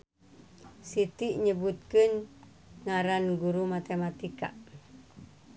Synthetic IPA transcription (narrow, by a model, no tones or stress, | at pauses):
sit̪iʔɲəbut̪̚kən | ŋaɾanɡuɾumat̪emat̪ika̰